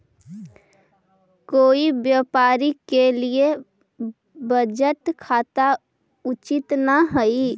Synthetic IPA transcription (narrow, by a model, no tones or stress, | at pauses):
koːibjaːpaːɾikelie | bəd͡ʒəʈkʰaːt̪a | ʊt͡ʃɪt̪naɦəi